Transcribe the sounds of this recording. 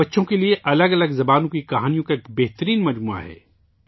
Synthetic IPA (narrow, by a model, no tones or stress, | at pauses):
ɐtːʃõkelieʔɐləɡɐləɡzɐbaːnõkikɐɦaːnijõkaeːkbɛɦt̪əɾiːnmɐd͡ʒmuːa̰ɦɛ̰ː